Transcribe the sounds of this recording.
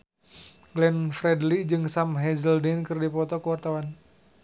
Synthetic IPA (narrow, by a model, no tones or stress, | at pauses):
ɡlɛnfɾɛdlid͡ʒɨŋsamɦɛzəldɛnkɨrdipɔt̪ɔkəwart̪awan